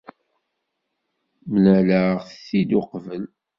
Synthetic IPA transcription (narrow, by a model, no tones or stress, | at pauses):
mənæləʁθθid̪ʊqvəl